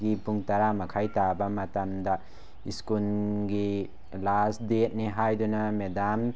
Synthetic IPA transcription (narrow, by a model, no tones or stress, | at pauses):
ɡipuŋtaɾamakʰajtabɐmatamda | iskulɡi | lasdet̚niɦajdunɐmedam